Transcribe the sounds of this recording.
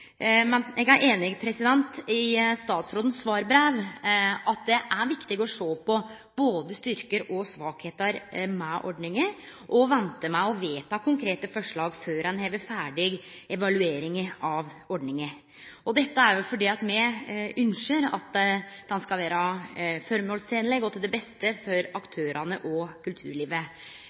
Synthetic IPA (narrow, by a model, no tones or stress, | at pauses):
mɛnʔɛɡæɾʔeːnɪɡpʰɾɛsɪd̪ɛnt̪ɪst̪ɑːt̪sɾoːd̪ən̩sʋɑːɾbɾæːʋɑt̪̚d̪ɛʔæɾʋɪkt̪ɪɡɔʂoːpʰɔ | b̥oːd̪əst̪ʏɾkəɾɔsʋɑːkheːt̪əɾmɛʔɔ̰ɖnɪŋə | ʔɔʋɛnt̪əmæɪɔʋeːt̪ʰɑːkʰʊŋkʰɾeːt̪əfɔʂɭɑːɡføːɾhɛnheːʋəfæːɖɪɡ | ɛʋɑlʉeːɾɪŋəɑʋɔɖnɪŋə | ɔd̪ɛt̪ːəæɾjʊfɔɖiːɑt̪mɛʉnʂəɾɑ̰t̪d̪̥ɛnskɑlʋæːɾɑfɔɾmɔːlst̪ʰɛːnlɛɡɔt̪ʰɪld̪ɛbɛst̪əfɔɾɑkt̪ʰøːɾʔɑnəʔɔkʰʉlt̪ʰʉ̰ːɾɭiːʋə